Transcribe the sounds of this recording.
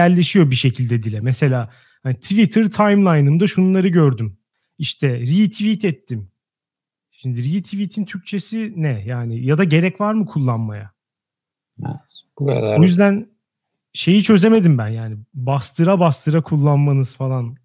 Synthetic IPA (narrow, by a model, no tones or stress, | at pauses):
æɾlʲːe̞ʃijo̞biʃe̞cʰilʲd̪ɛd̪ilʲɛmɛse̞lʲaː | hanit̪ʰvit̪ʰɯɾt̪ʰajmlˠajnɯmd̪aʃununˠaɾɯɟøɾd̪ym | iʃt̪ʰɛɾiit̪ʰivit̪ʰɛt̪ʰːim | ʃimd̪iɾit̪ʰivit̪ʰint̪ʰyɾc̚t͡ʃʰe̞sinɛjaːnɪjad̪aɟe̞ɾɛcvaɾmɯkʰulˠːanma̰ja̰ | ojyzd̪æn | ʃe̞jit͡ʃʰø̞ze̞me̞d̪imbænjaːnibast̪ʰɯɾabast̪ʰɯɾakʰulˠːanmanɯz̥falˠan